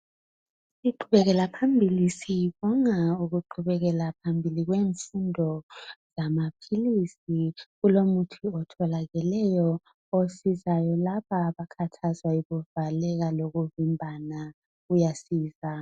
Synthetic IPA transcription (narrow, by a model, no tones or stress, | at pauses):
siǃʰuβɛɣɛlapʰambʱilisiβɔŋauɣuǃʰuβɛɣɛlapʰambʱiliɣweːɱfundʱɔz̥amapʰilisiɣulomutʰiɔtʰɔlaɣɛlɛjɔ | osizajɔlaβaːβakʰatʰazwaiɣuvalɛɣaloɣuvimbʱana | ujasiːza